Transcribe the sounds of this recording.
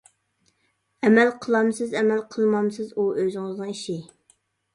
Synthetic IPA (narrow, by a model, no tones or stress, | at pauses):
ɛmælqʰəlˠɑmsɨzɛmælqʰəlˠmɑmsɨzuʔøzɪŋəznɨŋiʃi